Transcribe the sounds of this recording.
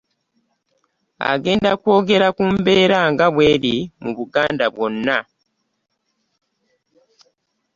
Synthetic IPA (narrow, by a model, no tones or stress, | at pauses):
a̰ɡe̞ːndakwo̞ːɡe̞ɾakuːmbe̞ːɾaŋɡaβwe̞ːɾimuβuɡaːndaβwo̞nːa